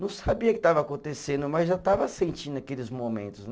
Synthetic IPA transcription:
nɐ̃w̃sabiɐkɪ̥t̪avɐakõnt̪esẽnd̪ʊmɐzʒat̪avɐsẽnt͡ʃĩnd̪ʊɐkelɪzmomḛ̃nt̪ʊzn

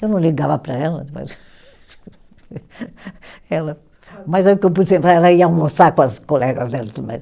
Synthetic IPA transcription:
ewnɐ̃w̃lˠiɣavɐpɾɐɛlˠɐ̰d̪po̰z | ɛlˠɐ | mazɛukewp̬ud̪sẽmpɾaɾɛlˠɐiaũmosakuɐzkolɛɣɐzd̪ɛlt̪uumḛ

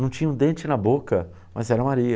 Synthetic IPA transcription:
nɐ̃w̃t͡ʃĩɲɐũd̪ẽt͡ʃɪnɐbokɐ | mɐzɛɾɐmaɾiɐ

